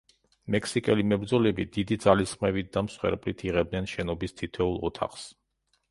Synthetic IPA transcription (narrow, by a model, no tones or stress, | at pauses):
mɛkʰsikʼɛlimɛbɾd̪zɔlɛbid̪id̪id̪zalisχmɛbit̪̚d̪amsχwɛ̰ɾpʼlit̪ʰiʁɛb̚d̪nɛnʃɛnɔbist̪ʰit̪ʰɛulˠɔt̪ʰa̰χs